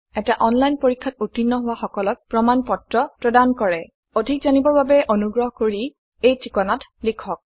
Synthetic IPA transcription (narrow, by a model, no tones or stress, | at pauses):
ɛtaʔɔnlajnpoɹikʰːatutinːɔɦʊwaxɔkɔlɔk̚pɹɔmanpɔtɹɔpɹɔdankɔɹɛ | odʱikzanibɔɹbabɛʔonuɡɹɔɦɔkoɹi | ejtikɔnatlikʰɔk̚